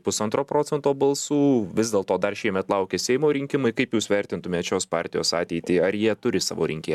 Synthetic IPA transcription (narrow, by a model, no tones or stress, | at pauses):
pʊsɐnt̪ɾoːpɾoːsʲɛnt̪oːbɐlˠsuːʋʲɪzd̪ʲeːlˠt̪oːd̪ɐrʃʲɛɪmʲɛt̪lˠɐʊkʲeːsʲɛɪmoːɾʲɪŋʲkʲɪmɐɪkɐɪpjuːsʋʲɛɾʲt̪ʲɪnt̪ʊmʲeːt̪t͡ʃʲoːspɑɾʲt̪ʲɪjoːsɑːt̪ʲɛɪt̪ʲiːɐɾjiɛt̪ʊɾʲɪsɑ̰ːʋo̰ːɾʲɪŋʲkʲɪ